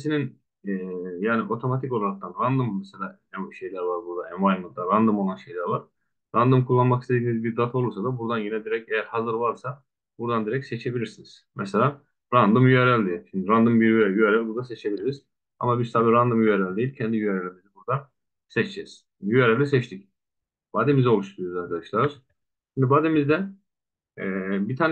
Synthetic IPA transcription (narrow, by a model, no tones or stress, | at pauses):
sinin | ɛːjaːniʔo̞t̪ʰo̞mat̪ʰiko̞lˠaɾak̚t̪anɾand̪ɯmːɛselʲaː | ɛmʃe̞jlʲæɾvaɾbuɾd̪aɛmajmlˠɯd̪aɾand̪ɯmolˠanʃe̞jlʲæɾvaɾ̥ | ɾand̪ɯmkʰulˠːanmaki̥st̪ed̪inizbiɾd̪at̪ʰo̞lˠuɾsad̪abuɾd̪anjenɛd̪iɾɛcejæɾhazɯɾvaɾsa | buɾd̪and̪iɾɛcsɛt͡ʃʰe̞bilʲiɾsiniz̥mʔɛselʲaː | ɾand̪ɯmjyeɾɛlʲd̪ejilʲʃind̪iɾand̪ɯmbiɾɛjyeɾɛlʲbuɾd̪aset͡ʃʰe̞bilʲiɾiz̥ | a̰mabizt̪ʰabiɾand̪ɯmjyeɾɛlʲd̪ejilʲcʰɛnd̪ijyeɾelʲimizɛbuɾd̪an | sɛt͡ʃd͡ʒɛz̥ | jyeɾɛlʲisɛt͡ʃt̪ʰic | b̥aːd̪emizɛo̞lˠuʃt̪ʰuɾujoaɾkʰad̪aʃlˠaɾ̥ | ʃimd̪ibaːd̪emizd̪ɛn | ɛːbit̪ʰaːn